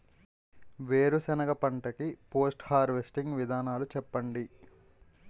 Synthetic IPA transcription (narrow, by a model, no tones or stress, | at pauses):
ʋeːɾusɐnɐɡɐpɐɳʈɐkipo̞ːsʈhaːɾʋesʈiŋɡʋid̪ʱaːnaːlut͡ʃɛpːɐɳɖi